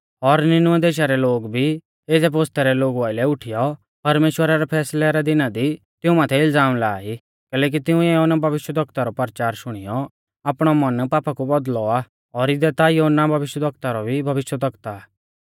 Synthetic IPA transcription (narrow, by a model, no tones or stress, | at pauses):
ɔɾnɪnʊɛd̪eːʃ̬aɾɛloːɡbʱi | eːd͡zɛpoːst̪ɛɾɛloːɡuaːɪlɛʊʈʰijɔ | pɐɾmeːʃwəɾaɾɛpʰɛːslɛɾɛd̪ɪnad̪i | t̪ɪũmaːt̪ʰɛɪld͡zaːmlaːi | kɛːlɛːk̬it̪ɪũjoɦonabʱɐʋɪʃwəd̪ʱɐkt̪aɾɔpɐɾt͡ʃaːɾʃʊɽ̃ɪjɔ | aːpɽ̃ɔmɐnpaːpakubɔd̪lɔa | ɔɾɪd̪ɛt̪ajoonːabʱɐʋɪʃjəd̪ʱɐk̚t̪aɾɔbʱibʱɐʋɪʃjəd̪ʱɐkt̪aː